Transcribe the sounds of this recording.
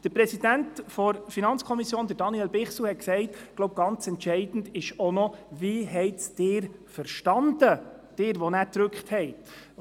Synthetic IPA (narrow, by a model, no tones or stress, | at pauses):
d̥əɾpɾɛsid̥æntfɔɾfinɑnt͡skʰɔmisjoːnd̪əɾd̥ɑniɛlbɪχsl̩hɛt̚ksɛɪtɡ̥loʊb̚ɡ̥ɑnt͡sɛntʃɛɪd̥n̩dɪʃɔnɔviːɦɛɪtt͡sd̥ɪːɾfəɾʃtɑnd̪̥əd̥ɪːɾʋɔnæːt̪ɾʉkχthɛɪ